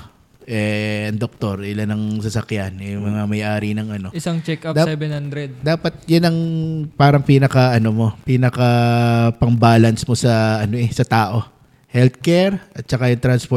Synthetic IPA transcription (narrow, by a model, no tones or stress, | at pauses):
ʔɛɐŋd̪ok̚t̪o̞ɾɪlanɐŋsɐsɐkjanjʊŋmɐŋamɐjʔaːɾinɐŋʔɐno̞ʔɪsaŋt͡ʃɛkad̪asɛbɛnhand̪ɾɛd̪̚d̪aːpɐt̪̚jʊnɐŋpaːɾɐŋpiːnɐkɐʔɐno̞mo̞piːnɐkɐpɐŋbaːlɐnsmo̞sɐʔɐno̞ʔɛsɐt̪aːʔo̞ | hɛlt̪̚kɛɾʔɐt̪̚t͡ʃɐkajʊŋt̪ɾanspo